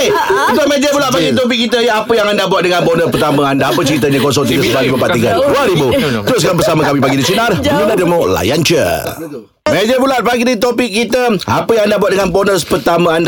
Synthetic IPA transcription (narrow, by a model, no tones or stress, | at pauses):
ət̪amẽd͡ʒəbulat̪̚paɡidit̪ɔp̬ɪkːit̪əjəapəjaŋandabuat̪̚dəŋãbɔnəpərt̪amə̃andaːpət͡ʃəɾit̪əɲəkɔsɔŋt̪iɡəsəbaɾibupaʔt̪ikanduaɾibut̪ɾos̬kabəsamakamipaɡidit͡ʃinaruladəmauʔla̰jant͡ʃə̰ | med͡ʒəbulat̪̚paɡidit̪opɪkːit̪əa̰pəjaŋandabuat̪̚dəŋanbɔnəspərt̪amə̃anda